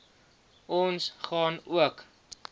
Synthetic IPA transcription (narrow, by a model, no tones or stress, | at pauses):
ʔɔnsχɑːnuək